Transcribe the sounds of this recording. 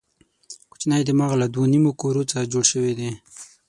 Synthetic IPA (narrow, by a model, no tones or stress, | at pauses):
kʊ̥t͡ʃnajd̪əmaɣalad̪wonimokoɾot͡səd͡ʒoɽʃəwed̪e